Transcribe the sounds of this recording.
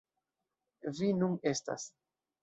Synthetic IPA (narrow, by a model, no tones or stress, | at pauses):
vinune̞sta̰s